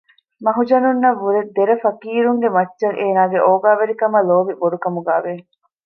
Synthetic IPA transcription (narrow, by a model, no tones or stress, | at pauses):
mɐɦud͡ʒɐnunːɐʋːuɾed̪ːeɾɐfɐkiːɾuŋɡemɐtːʃɐŋʔeːnaːɡeʔoːɡaːʋeɾikɐmɐloːʋiboɾukɐmuɡaːʋe